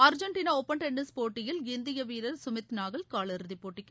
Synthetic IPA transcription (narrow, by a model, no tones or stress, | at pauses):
ɐɾd͡ʒɐɳʈiːnaɔpːɐɳʈɛɳɖɐspoːʈːɪjɪlɪnd̪ɪjɐʋiːɾɐɾsʊmɪt̪naːɣɐɭkaːlɐɾɯðɪpːoːʈːɪkː